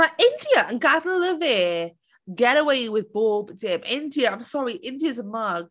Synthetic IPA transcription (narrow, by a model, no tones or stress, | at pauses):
naɪɪ̃ndiəə̃nɡadəlɪvɪ | ɡɛɾəweɪwɪðbɔːbdɪ̃mʔɪ̃ndiəãɪ̃msɑɹiʔɪ̃ndiəzə̃nmʌɡ̥